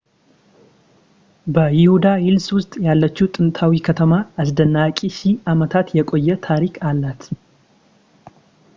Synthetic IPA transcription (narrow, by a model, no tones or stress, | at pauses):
bəjɪhud̪ajɪlswʊst̪ʼjalːət͡ʃːut̪ʼɨnt̪ʰawikʰət̪ʰəmaas̬d̪ənːakʼiʃiamət̪ʰat̪jɛkʼo̞jːɛt̪ʰaɾikʰalːat̪